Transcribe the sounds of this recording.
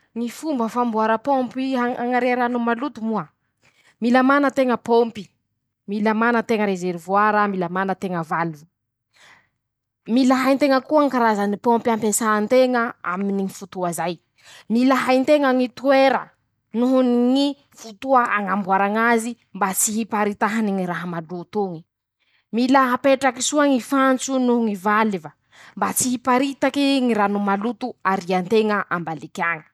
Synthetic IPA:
ŋifumbəfambuaɾəpompiaaŋaɾeɾanumalut̪umuə | milamanət̪eŋəpompi | milamanət̪eŋəɾezeɾivuaɾəmilamanət̪eŋəvalu | milaɦajnt̪eŋəkuaŋkaɾazənipompampesaːnt̪eŋəa̰miniŋifut̪uazaj | milaɦajnt̪eŋaŋit̪ueɾə | nuɦunŋi | fut̪uaʔaŋambwaɾaŋazi | mbat͡siɦipaɾit̪aɦaniŋiɾaɦamaɖ͡ʐut̪uŋi̥ | milaɦapeʈ͡ʂakisuaŋifant͡sunuɦuŋivaliva | mbat͡siɦipaɾit̪akiŋiɾanumalut̪uaɾiant̪eŋəʔambalikʲaŋi̥

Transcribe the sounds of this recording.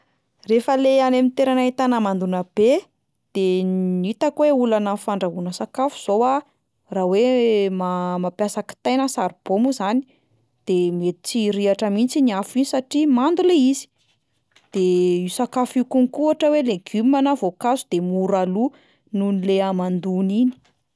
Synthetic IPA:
refəleanemint̪eɾanait̪anamand̪unəb̥e | d̪̥enit̪akweulanəfaɳɖ͡ʐaɦunəsakafu̥z̥owa | rawemamapjasaki̥t̪ajnəsaɾib̥omuzani̥ | d̪̥emiet̪i̥t͡siɾiaʈ͡ʂəmint͡siniafinisaʈ͡ʂimand̪uleizi̥ | d̪̥eisakafikunikuaʈ͡ʂəweleɡymanəvokazud̪emuɾalu | nunileamand̪unini̥

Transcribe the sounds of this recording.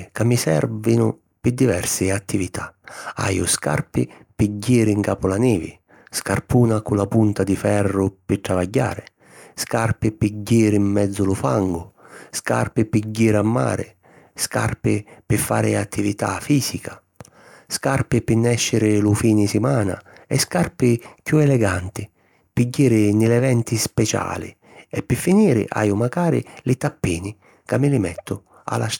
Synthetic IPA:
kamːisɛ̰rvinʊ | pɪd̪ivɛrsɪat̪ːivit̪ʰaa̰jʊ̰ska̰rpɪpiɟːiːɾɪŋkaːpʊlanɛːvɪ̰ | skarpuːnakʊlːapunt̪ad̪ifɛrːʊpɪt̪ːɾavaɟːa̰ːɾɪ | skarpɪpiɟːiːɾɪimːɛd̪zːʊlʊfaŋɡʊska̰rpɪpiɟːiːɾɪamːa̰ːɾɪ̰ | ska̰rpɪpɪfːa̰ːɾɪat̪ʰːivit̪a̰fiːzikʰa | skarpɪpɪnːɛʃːɪɾɪlʊfiːnɪsɪmaːna̰ɛskarpɪkjuɛlɛɡant̪ɪ | piɟːiːɾɪnɪlɛvɛnt̪ispɛt͡ʃa̰ːlɪ̰ | ɛpːɪfːiniːɾɪ̰ʔa̰ːjʊmaɡaːɾɪ̰lɪt̪apːiːnɪ | kamːɪlɪmɛ̰t̪ːʊ | a̰la

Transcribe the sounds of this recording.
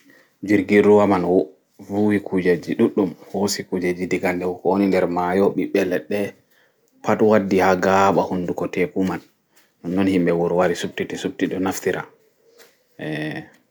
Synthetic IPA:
d͡ʒiɾɡiɾuwaman | vuwikʰud͡ʒad͡ʒiɗuɗːumhosikud͡ʒad͡ʒidiɡandɛwkonindɛɾmajɔɓiɓɛlɛɗɛ | patwadːihaɡaɓahundukɔtɛkumanː | ɔnːɔnhimbɛwɔɾwaɾisub̚titisup̚tiɗɔnaftiɾʔa̰ | ʔɛ

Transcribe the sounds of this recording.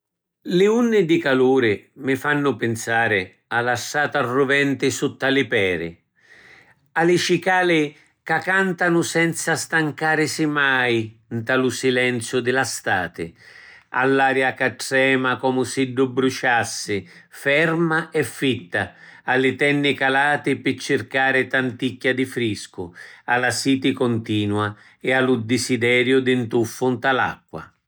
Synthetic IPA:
lɪunːɪd̪ɪkaluːɾɪmɪfanːʊpɪnsaːɾɪ | alːaʃːaːt̪arːʊvɛnt̪ɪsut̪ːalɪpɛːɾɪ̰ | alɪt͡ʃikaːlɪ | kakːant̪anʊsɛnt̪sast̪aŋkaːɾɪsɪmajnt̪alʊsilɛnt̪sjʊd̪ɪlast̪aːt̪ɪ̰ | a̰lːaːɾjakaʈːɾɛːmakɔːmʊsiɖːʊbːɾut͡ʃasːɪfɛrmaɛfːit̪ːaalːɪt̪ɛnːɪkalaːt̪ɪpɪt͡ʃːɪrkaːɾɪt̪ant̪ikːad̪ifɾiskʊalasiːt̪ɪkɔnt̪iːnwa | ɛalʊd̪ɪsid̪ɛːɾjʊd̪ɪnt̪ufːʊnt̪ala̰kːwa̰

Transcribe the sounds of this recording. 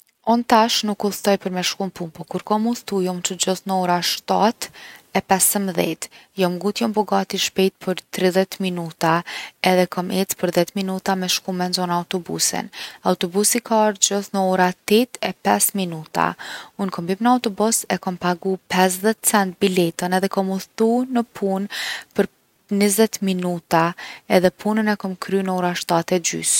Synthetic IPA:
ɔnt̪aʃnukːulˠt̪ɔjpəɾmɛʃkumpumpɔkuɾkɔmulˠt̪ujɔmt͡ʃəd͡ʑɔθnəɔɾaʃt̪at̪ɛpɛsəmðɛ̰t̪jɔmɡut̪jɔmpɔɡat̪iʃpɛjt̪̚pʰəɾt̪ɾiðɛt̪minut̪aɛðɛkɔmʔɛt͡spəɾðɛt̪minut̪amɛʃkumɛnzɔnaawt̪ɔbṵsɛ̰nawt̪ɔbusikʰaɾd͡ʑɔθnəɔɾat̪ɛt̪ɛpɛsminut̪a̰unkɔmbimnəawt̪ɔbɔsɛkɔmpaɡupɛs̬ðɛt̪t͡sɛnt̪̚bilɛt̪ənɛðɛkɔmut̪unəpʰunpəɾ | nizɛt̪minut̪aɛðɛpʰunənɛkɔmkʰɾynəɔɾaʃt̪at̪ɛd͡ʒy̰s

